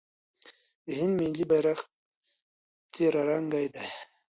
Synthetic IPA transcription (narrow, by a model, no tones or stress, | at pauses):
d̪əhɪnd̪milibajɾaxt̪̚ | t̪eɾaɾaŋɡajd̪a